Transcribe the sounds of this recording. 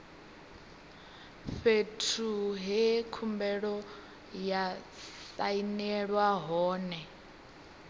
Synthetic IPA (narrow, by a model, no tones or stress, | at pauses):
ɸetʰuɦɛkʰumbɛɺɔ | ja | sainɛɺwaɦɔːnɛ